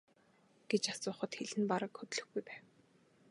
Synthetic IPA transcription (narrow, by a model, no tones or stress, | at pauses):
ɡ̥et͡ɕasʊːχə̆t̪xeɮɘ̆npaɾə̆kxɵt̪ɮɵ̆xɡujpæːw